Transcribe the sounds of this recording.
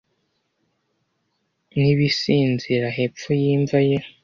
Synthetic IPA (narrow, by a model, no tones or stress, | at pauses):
niβisiːnziɾaɦep͡fujiːɱvaje